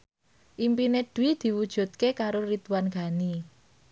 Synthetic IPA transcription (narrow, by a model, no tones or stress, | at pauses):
ʔimpineɖ̥uwid̪̥i̤wud̥ʒ̥ṳt̪̚kekaɾorit̪uwanɡ̥a̤ni